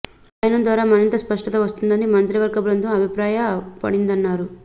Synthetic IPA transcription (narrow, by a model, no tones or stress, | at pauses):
aːjɐnɐmd̪ʋaːɾaːmɐɾint̪ɐspɐʂʈɐt̪ɐːʋɐst̪und̪ɐnimɐnt̪ɾiʋɐɾɡɐbɾɐnd̪ɐmɐbʱipɾaːjɐpɐ̰ɽind̪ɐnːaːɾu